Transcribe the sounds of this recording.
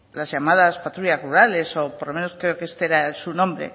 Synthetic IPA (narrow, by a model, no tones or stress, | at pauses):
lazʝamað̞aspat̪ɾuʎazruɾale̞so̞poɾlo̞me̞no̞skɾe̞okeest̪eeɾaelsunõmbɾḛ